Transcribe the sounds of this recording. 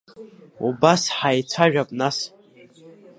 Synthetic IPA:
ubasħajt͡sʷʰaʒᶣapʼnas

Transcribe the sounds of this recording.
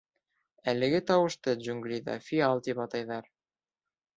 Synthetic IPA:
ælɘ̆ɡɘt̪ɑwɤ̆ʃt̪ɤd͡ʒuŋɡlʲiðɑ̰fʲiɑlˠt̪ipɑt̪ɑjðɑɾ

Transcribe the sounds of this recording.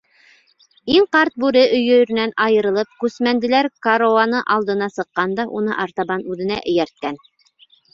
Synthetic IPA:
iŋqɑɾt̪̚bʉɾɘʔɵ̆jɵ̆j̆ɾɘ̆nænɑjɤ̆ɾɤ̆lˠɤp̚kʉsmænd̪ɘ̆læɾkaɾoanɤʔɑlˠd̪ɤ̆nɑsɤ̆qːɑnd̪ɑʔunɤ̰ʔɑɾt̪ɑβɑnʉðɘ̆næ̰ʔɘ̆jæɾt̪̚kæn

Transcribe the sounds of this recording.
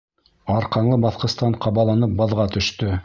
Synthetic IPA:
ɑɾqɑnlˠɤbɑθqɤ̆st̪ɑɴqʰɑβɑlˠɑnɤp̚bɑðʁɑt̪ɵ̆ʃt̪ɵ

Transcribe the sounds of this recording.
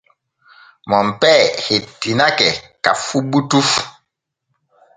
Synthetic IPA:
mɔm̩pɛhetinakɛka̰fuɓutuf

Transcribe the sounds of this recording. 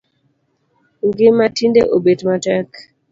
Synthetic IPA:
ŋɡɪmatindeʔobedmatɛk

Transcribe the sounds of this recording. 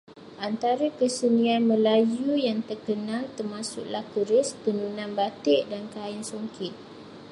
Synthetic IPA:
ʔant̪aɾəkəsənianmə̃lajujaŋt̪ərkənãlt̪ərmãsʊ̰ʔlahkəɾɪspənunãnbat̪ɪʔdankaɪnsoŋkɪt̪̚

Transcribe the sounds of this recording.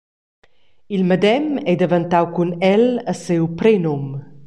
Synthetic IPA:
ilmad̪ɛmɛd̪evant̪awkunɛləsewpɾenom

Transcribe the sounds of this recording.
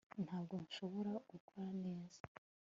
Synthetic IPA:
n̥haːb̚ɡo̞nʃo̞βo̞ɾaɡukwaːne̞ːza

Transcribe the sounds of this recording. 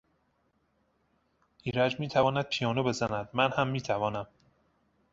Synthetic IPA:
ʔiːɾæd͡ʒmiːt̪ʰævɒːnæd̪̥̚pʰijɒːnobe̞zænæd̪mænhæmːiːt̪ʰævɒːnæm

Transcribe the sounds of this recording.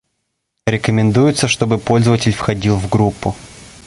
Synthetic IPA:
ɾʲɪkəmʲɪnd̪ujʊt̪səʂt̪o̞bɨpo̞lʲzəvətʲɪlʲfxɐdʲilˠvɡɾupːʊ

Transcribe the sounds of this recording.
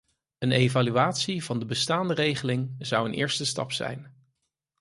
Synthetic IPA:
ənejvalyaːtsivɑndəbəstaːndərejχəlɪŋzʌwənʔɪ̰ːɹstəstɑ̰psɛ̰jn

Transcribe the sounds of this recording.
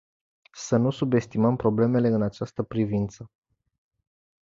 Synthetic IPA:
sənusube̞st̪iməmpɾo̞ble̞me̞le̞ɨnat͡ʃast̪əpɾivint̪sə

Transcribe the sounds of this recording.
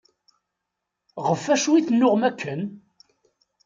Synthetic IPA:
ʁəfːæʃwiθnːʊʁmækːən

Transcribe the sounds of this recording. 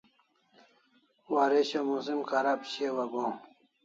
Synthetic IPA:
waɾeɕomus̬imkʰaɾapɕewɐɡõː

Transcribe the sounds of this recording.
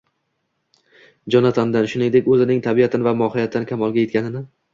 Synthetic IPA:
d͡ʒɒnat̪ʰɒnd̪anʃʊnɪŋd̪ekʲɵzɪnɪŋt̪ʰabiat̪ʰɪnɪvamɒhɪjat̪ʰːɪnɪkʲʰamɒlˠɡʲaje̞t̪̚kʲanɪnɪ

